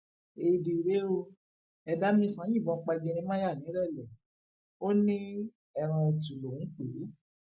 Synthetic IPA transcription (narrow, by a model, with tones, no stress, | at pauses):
e˧˨di˨ɾe˦o˧ | ɛ˧da˦mĩ˧˦sã˨˦j̃ĩ˦˨bɔ̃˧˦k͡pa˧ɡĩ˧ɾ̃ĩ˧˦mã˦ja˦˨nĩ˨˦ɾɛ˦˨lɛ˨ | o˦nĩ˦ | ɛ˧ɾ̃ã˧ɛ˧tu˨lõ˨˦k͡pe˨˦